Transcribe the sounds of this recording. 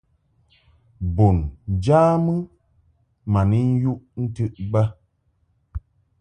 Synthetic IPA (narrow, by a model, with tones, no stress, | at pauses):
bo˨n˨d͡ʒaː˦mɨ˦ | ma˨ni˦n̩˦ju˦ʔn̩˦tɨ˦ʔbə˦